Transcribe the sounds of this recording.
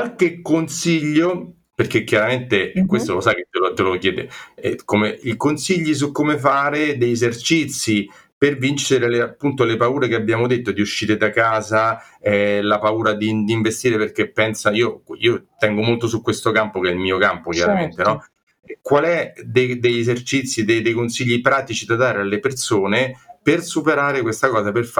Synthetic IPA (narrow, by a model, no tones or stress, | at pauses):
kwalk̟ekːonsiʎːo | perkekːjaɾament̪eɛkːwest̪olosak̟et̪ːelot̪ːelok̟jɛːd̪ḛɛkomeikonsiʎːis̬ukːomefaːɾed̪ejezert͡ʃit̪sːi | pervint͡ʃeɾeleapːunt̪olepauːɾekeabːjaːmod̪et̪ːod̪iuʃːiːɾed̪akaːza | ɛlapauːɾad̪id̪iɱvest̪iːɾeperk̟epːɛnsaiːoḭːot̪ɛŋɡomolt̪osukːwest̪okampokeɛilmiːokampok̟jaɾament̪enɔ | kwalɛd̪ejd̪ejezert͡ʃit̪sːid̪ejd̪ejkonsiʎːipɾaːt̪it͡ʃid̪ad̪aːɾealːepersoːnepersupeɾaːɾekwest̪akɔːzaperf